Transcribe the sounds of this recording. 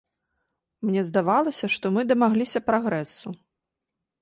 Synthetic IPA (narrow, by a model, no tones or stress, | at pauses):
mnʲɛzd̪avalˠɐsʲɐʂt̪ɔmɨd̪ɐmaɣlʲisʲɐpɾaɣɾɛsːu